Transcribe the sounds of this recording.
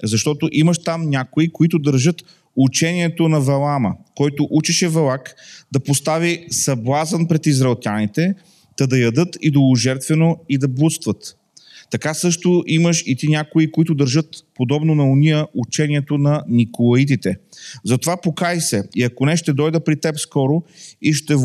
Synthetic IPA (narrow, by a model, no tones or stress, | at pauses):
zɐʃt̪ɔt̪oʔimɐʃt̪amnʲakoikoit̪ʊd̪ɐɾʒɤt̪ | ut͡ʃɛniɛt̪onɐvɛlˠaməkɔjt̪oʔut͡ʃiʃɛvɛlˠakd̪ɐpost̪avisɐblˠazənpɾɛt̪izɾɐɛlˠt̪ʲjanit̪ɛ | t̪ɐd̪ɐjɐd̪ɤt̪id̪olˠʊʒɛɾt̪vɛnoid̪ɐbˠust̪vət̪ː | ɐkasɤʃt̪oʔiməʃit̪inʲakʊikoit̪ʊd̪ɐɾʒɤt̪pod̪ɔbnonɐʊniəʔut͡ʃɛniɛt̪onɐnikolˠɐit̪̬it̪ɛzɐt̪ovapokajsɛiɐkonɛʃt̪ɛd̪ɔjd̪əpɾit̪ɛpskɔɾoiʃt̪ɛ